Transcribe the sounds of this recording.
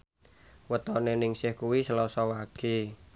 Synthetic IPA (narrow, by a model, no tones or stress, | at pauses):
wət̪ɔnenɪŋsɪhkuwisəlɔsɔwaɡ̥i